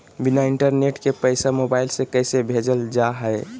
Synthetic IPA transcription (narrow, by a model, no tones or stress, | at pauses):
binaiɳʈəɾneʈkepəɪsamobaɪlsekəɪsebʱed͡ʒəld͡ʒaɦəe